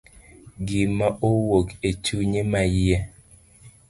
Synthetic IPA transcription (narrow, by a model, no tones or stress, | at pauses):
ɡɪmaʔowoket͡ʃuɲemajiɛ